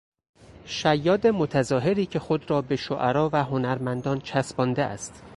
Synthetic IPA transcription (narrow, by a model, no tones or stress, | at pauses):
ʃæjːɒːd̪emot̪ʰæzɒːɦe̞ɾiːcʰe̞xod̪ɾɒːbe̞ʃoʔæɾɒːvæɦonæɾmænd̪ɒːnt͡ʃʰæsbɒːnd̪eʔæ̰st̪